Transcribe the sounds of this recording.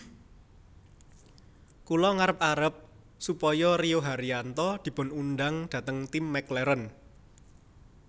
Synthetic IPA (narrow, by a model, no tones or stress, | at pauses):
kulɔŋaɾəp̚aɾəp̚ | supɔjɔrioɦaɾiant̪ɔd̪̥i̤pʊ̤nunɖaŋd̥ä̤t̪əŋt̪imːɛklɛɾən